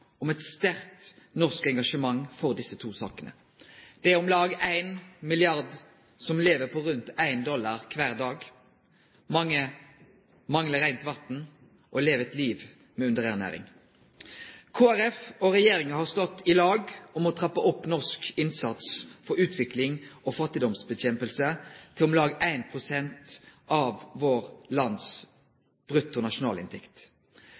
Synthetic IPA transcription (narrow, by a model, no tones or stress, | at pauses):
ɔmɛt̪st̪æʁt̪nɔʁskɛŋɡɑʂəmɑŋfɔʁd̪ɪsət̪ʰuːsɑ̰ːkənə̰ | d̪̥ɛæɔmlɑːɡæɪnmɪlɪɑʁd̪ | sɔmleːʋəpʰɔʁʉnt̪æɪnd̪ɔlːɑʁkʰʋæːʁd̪ɑːɡ | mɑŋːə | mɑŋləɾæɪnt̪ʋɑt̪n̩ | ʔɔleːʋəɛt̪liːʋ | mɛʉnd̪əʁæʁnæ̰ːɾɪ̰ŋ | kʰoːæʁɛfɔʁɛjeːɾɪŋəhɑʁst̪ɔt̪ːɪlɑːɡɔmɔt̪ʰʁɑpːəʔɔpːnɔʁskɪnsɑt̪sfɔɾʉːt̪ʰʋɪklɪŋʔɔːfɑt̪ːɪd̪ɔmsbɛçɛmpəlsət̪ʰɪlɔmlɑːɡæɪnpʰʁʊsɛnt̪ʔɑʋːoːʁlɑns | b̥ʁʉt̪ːʊnɑʃʊnɑːlɪ̰nt̪ʰɛkt̪